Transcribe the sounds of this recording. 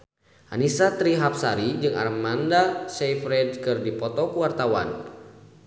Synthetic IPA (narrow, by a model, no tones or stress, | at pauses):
ʔa̰nisat̪ɾiɦap̚saɾid͡ʒɨŋa̰rmandasɛjfɾɛd̚kɨrdipɔt̪ɔkuwart̪awa̰n